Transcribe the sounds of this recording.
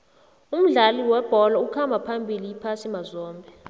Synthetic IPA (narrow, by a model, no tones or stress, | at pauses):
um̩ɮaliwɛb̥ʱɔlaukʰambʱapʰambʱilijipʰasimazɔːmbʱɛ